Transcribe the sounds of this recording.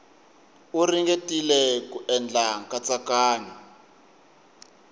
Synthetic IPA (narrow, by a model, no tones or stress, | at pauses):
uriŋɡetʼilɛkuʔɛnd͡ɮʱaŋkʼat͡sakaːɲa